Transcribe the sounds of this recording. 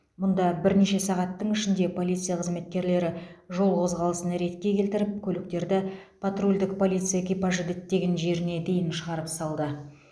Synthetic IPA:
mʊnd̪ɑbɪɾne̞ʃe̞sɑʁɑt̪ːəɴɪʃɪnd̪e̞pʰo̞lʲijt̪sɨjaqʰəzme̞t̪kʲe̞ɾle̞ɾɪʒo̞lˠqʰo̞zʁɑlˠəsənɾe̞t̪kʲe̞kʲʰe̞lt̪ɪɾɪp̚kʲʰɵlɪk̚t̪e̞ɾd̪ɪpʰat̪rulʲd̪ɪkpʰo̞lʲijt̪sɨjaekʲipaʒɪd̪ɪt̪ːe̞ɡʲe̞nʒe̞ɾɪne̞d̪e̞jɪnʃəʁɑɾəpsɑlˠd̪ə

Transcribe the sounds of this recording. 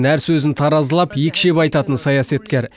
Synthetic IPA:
næɾsɵzɪnt̪ʰɑɾɑzəlˠɑpjekʲʃe̞pɑjt̪ɑt̪ənsɑjɑsɑt̪kʲe̞ɾ

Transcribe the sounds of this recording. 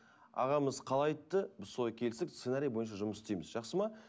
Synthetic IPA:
ɑ̰ʁɑməzqʰɑlˠɑjt̪ːəbɪzso̞lˠɑjkʲʰe̞lsɪksenaɾijbo̞jənʃɑʒʊməsɪst̪ejmɪzʒɑqsəmɑ

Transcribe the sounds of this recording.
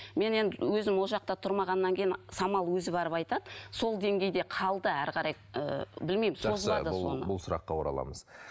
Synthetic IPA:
me̞ne̞nd̪ɪwɵzɪmwo̞lˠʒɑq̚t̪ɑt̪ʰʊɾmɑʁɑnːɑŋkʲʰejɪnsɑmɑlˠwɵzɪbɑɾəpɑjt̪ɑd̪əso̞lˠd̪e̞ŋɡʲe̞jd̪e̞qʰɑlˠd̪əæɾqʰɑɾɑj | ə̰bɪlmejmɪsʒo̞zəlˠɑd̪əso̞̰nəbʊlˠsʊɾɑ̰qːɑwoɾɑ̰lˠɑ̰məz̥

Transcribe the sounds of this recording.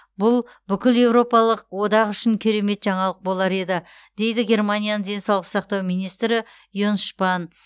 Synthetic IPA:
bʊlˠ | bʏkʲɪlje̞wɾo̞pɑlˠəq̚wo̞d̪ɑʁʏʃɪŋkʲʰeɾe̞me̞t̪ʒɑɴɑlˠəq̚bo̞lˠɑɾe̞d̪ɪ | d̪̥e̞jd̪ɪɡʲe̞rmanʲijanəŋd̪e̞nsɑwlˠəqsɑqt̪ɑwmijnijst̪ɾɪ | jonʃpɑn

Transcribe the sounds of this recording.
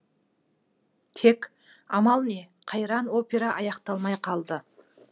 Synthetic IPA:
t̪ʰe̞k | ɑmɑlˠne̞ | qʰɑjɾɑnwo̞pʲe̞ɾɑʔɑjɑqt̪ɑlˠmɑjqʰɑlˠd̪ə

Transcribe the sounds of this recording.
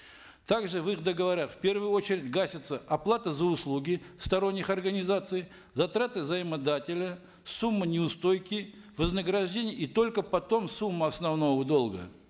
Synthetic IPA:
t̪aɡʐɨvɨxd̪əɡəvɐɾʲatfʲpʲe̞rvɨjʊo̞t͡ɕɪɾʲɪdʲɡasʲɪt̪səʔɐplˠat̪əzəʊslˠuɡʲɪst̪ɐɾo̞nʲːɪxɐrɡənʲɪzat̪sɨj | zɐt̪ɾat̪ɨvzəɪmɐd̪atʲɪlʲə | sumːɨnʲɪʊst̪o̞jkʲɪ | vəznəɡɾɐʐdʲenʲɪjəit̪o̞lʲkəpɐt̪o̞msumːəɐsnɐvno̞vəd̪o̞lˠɡə̰

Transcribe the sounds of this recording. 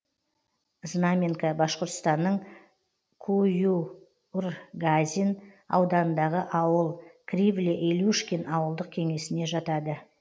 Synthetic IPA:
znamʲeŋkabɑʃqoɾt̪st̪ɑnːəɴ | kʰuju | urɡazʲin | ɑ̰wd̪ɑnənd̪ɑʁəʔɑwəlˠkʰrʲivlʲeʔeluʃkʲenɑwəlˠd̪əq̚kʲʰe̞ŋe̞sɪne̞ʒɑt̪ɑd̪ə

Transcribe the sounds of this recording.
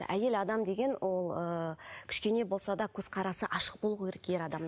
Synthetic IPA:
ʔæje̞lɑd̪ɑmd̪e̞ɡʲe̞nwʔo̞lˠəkʲʰʏ̥ʃkʲe̞ne̞bo̞lˠsɑd̪ɑkʲʰɵz̥qʰɑɾɑsəʔɑʃəq̚bo̞lˠuʁkʲeɾekje̞ɾɑd̪ɑm

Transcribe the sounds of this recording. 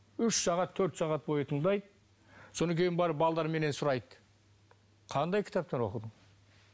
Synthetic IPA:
ʏʃsɑʁɑt̪ʰːɵɾt̪sɑʁɑt̪̚bo̞jət̪ʰəɴd̪ɑjd̪ə | so̞nəkʲʰe̞jɪnbɑɾəpbɑlˠd̪ɑɾme̞ne̞nsʊɾɑjd̪ | qʰɑnd̪ɑjkʲʰɪ̥t̪ɑp̚t̪enwo̞̰qəd̪əɴ

